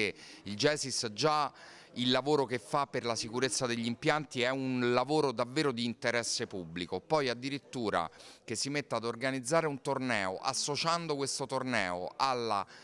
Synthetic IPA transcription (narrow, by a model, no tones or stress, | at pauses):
ild͡ʒɛːsisd͡ʒa | ilːavoːɾokefːapːerlasikuɾet̪sːad̪eʎːimpjant̪iɛunlavoːɾod̪avːeːɾod̪iːnt̪eɾɛsːepubːlikopɔjad̪ːiɾit̪ːuːɾa̰kesːimet̪ːead̪orɡanid̪zːaːɾeunt̪ornɛːo̰ʔa̰sːot͡ʃand̪okwest̪ot̪ornɛːo̰alːa